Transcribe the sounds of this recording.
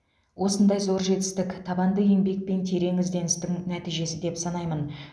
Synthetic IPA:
wʔo̞sənd̪ɑjzo̞ɾʒe̞t̪ɪ̥st̪ɪkʲt̪ʰɑbɑnd̪əe̞ŋbe̞k̚pe̞nt̪ʰe̞ɾe̞ŋʏzd̪e̞nɪst̪ɪŋnæt̪ijʒe̞sɪd̪e̞psɑnɑjmən

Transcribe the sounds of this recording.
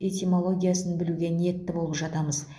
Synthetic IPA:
et̪ʲimo̞lˠo̞ɡʲijasənbɪluɡʲe̞ne̞t̪ːɪbo̞lˠəpʒɑt̪ɑməz

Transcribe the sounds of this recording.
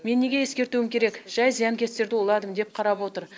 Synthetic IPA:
me̞nːeɡʲeje̞skʲe̞ɾt̪uɪmkʲʰe̞ɾe̞kʒ̥ɑjzijɑŋkʲʰe̞st̪e̞ɾd̪ɪwolˠɑd̪əmd̪e̞p̚qʰɑɾɑpwo̞t̪əɾ

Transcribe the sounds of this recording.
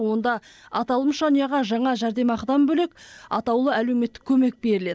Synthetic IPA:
wo̞nd̪ɑɑt̪ɑlˠəmʃɑnijɑʁɑʒɑɴɑʒæɾd̪e̞mɑqd̪ɑmbɵlekʲɑt̪ɑwlˠəælewme̞t̪ːɪ̥kʲʰːɵme̞k̚be̞ɾɪle̞d̪

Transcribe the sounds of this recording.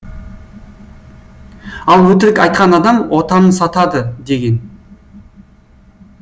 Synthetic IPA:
ɑlˠwɵt̪ɪɾɪkʲɑjt̪̚qɑnɑd̪ɑmwo̞t̪ɑnəsɑt̪ɑd̪əd̪e̞ɡʲe̞n

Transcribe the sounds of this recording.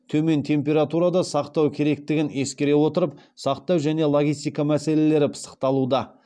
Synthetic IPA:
t̪ʰɵme̞nt̪ʰe̞mp̬ʲe̞ɾat̪uɾad̪ɑsɑqt̪ɑwkʲʰe̞ɾe̞k̚t̪ɪɡʲɪne̞skʲe̞ɾe̞wo̞t̪əɾəpsɑqt̪ɑwʒæne̞lˠo̞ɡʲijst̪ijkɑmæse̞le̞le̞ɾɪpʰə̥sə̥qt̪ɑlˠud̪ɑ

